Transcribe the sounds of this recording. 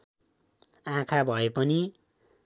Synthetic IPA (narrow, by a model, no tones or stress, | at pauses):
ãkʰabʱʌepʌni